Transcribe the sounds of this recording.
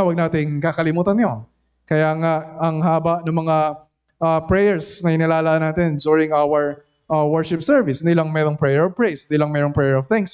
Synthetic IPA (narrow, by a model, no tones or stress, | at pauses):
awɐɡ̚naːt̪ɪŋkakɐlɪmuːt̪ɐnɲo | kɐjaːŋaʔɐŋɦaːbɐʔnɐŋmɐŋa | ʔɐpɹɛjɛɹsnɐɪnɪlaːlɐʔanaːt̪ɪnd͡ʒuɹɪŋawɛɹ | ʔɐwɛɹʃɪpsɛɹvɪsɪnd̪iːlɐŋmɛːɾoŋpɹɛjɛɹɔvpɹɛjsɪnd̪iːlɐŋmɛːɾoŋpɹɛjɛɹɔvt̪ɪŋs